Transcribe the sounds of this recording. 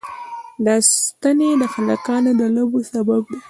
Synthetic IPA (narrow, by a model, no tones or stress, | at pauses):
last̪aned̪əxala̰kɑnod̪əlabosabab̚d̪i